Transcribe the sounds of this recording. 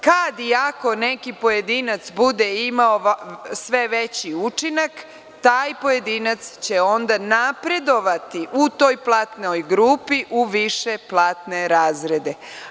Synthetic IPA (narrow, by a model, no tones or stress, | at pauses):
kad̪iako̞nekipo̞je̞d̪inat̪sbud̪eimaosʋeʋet͡ɕiut͡ʃinak | t̪aːjpo̞je̞d̪inat̪st͡ɕeo̞nd̪anapɾe̞d̪o̞ʋat̪iʔut̪o̞ːjplˠat̪nojɡɾupiʔuʋiʃe̞plˠaːt̪ne̞ɾaːzɾe̞d̪e